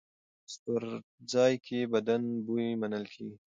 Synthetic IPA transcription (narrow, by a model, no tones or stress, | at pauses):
st̪əɾd͡zɑjkʰebad̪anbujmanəlkʰeɡi